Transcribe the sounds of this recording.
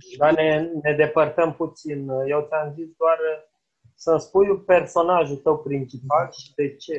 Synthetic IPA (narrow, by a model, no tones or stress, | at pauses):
d̪ane̞ne̞d̪e̞pərt̪əmput̪sinjewt̪sʲamzisd̪oar | sənspujupe̞rso̞naʒut̪əwpɾint͡ʃipalʃi̥d̪e̞t͡ʃe̞